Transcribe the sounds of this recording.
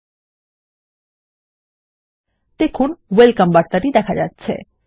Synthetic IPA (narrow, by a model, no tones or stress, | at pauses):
t̪ekʰunʋelkəmbaʈt̪aɾid̪ɛkʰad͡ʒat̪ːt͡ɕʰḛ